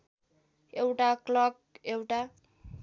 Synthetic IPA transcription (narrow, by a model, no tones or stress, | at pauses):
ewʈaklʌk̚ewʈa